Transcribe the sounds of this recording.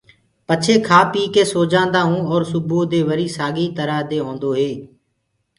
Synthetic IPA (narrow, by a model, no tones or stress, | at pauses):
pət͡ʃʰeːkʰaːpiːkeːsoːd͡ʒãːnd̪aːɦũːɔːɾsʊboːd̪eːʋəɾiːsaːɠiːt̪əɾaːd̪eːɦõːnd̪oːɦeː